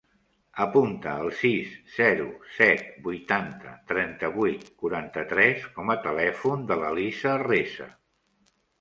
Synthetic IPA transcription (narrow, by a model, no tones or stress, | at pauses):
əpunt̪əːlˠsisːɛɾusɛt̪̚bujt̪ant̪ə̰t̪ɾɛnt̪əβujt̪kuɾant̪ət̪ɾɛskɔmət̪əlɛfund̪ələlisərezə̰